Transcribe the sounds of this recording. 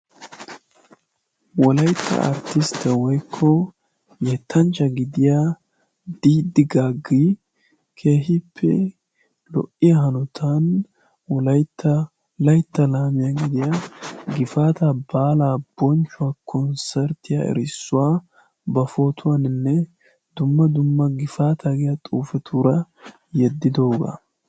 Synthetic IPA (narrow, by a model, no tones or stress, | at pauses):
wɔlɐjt̪ʰːɐ̰a̰ɾt̪ɪst̪ːɐwɔjkʰːɔ | jɛt̪ʰːɐnt͡ʃːɐɡɪd̪ɪjaː | d̪̥iːd̪ɪɡaːɡːi | kʰe̞ːhɪpʰːɛ̰ | lɔ̰ʔɪjaɦɐnɔt̪ʰan | wɔlɐjt̪ʰːɐ | lɐjt̪ːɐlaːmɪjaɡɪd̪ɪjaɡɪfaːt̪abaːlaːb̥ɔnt͡ʃːʊaːkʰɔnsɛɾt̪ɪjaɛ̰ɾɪsːʊwaː | bɐfo̞ːt̪ʰʊwaːnɪnːɛ | d̪̥ʊmːɐd̪ʊmːɐɡɪfaːt̪ʰaɡɪjɐt̪ʼuːfɛt̪ʰuːɾɐ | jɛd̪ːɪd̪o̞ːɡɐ̰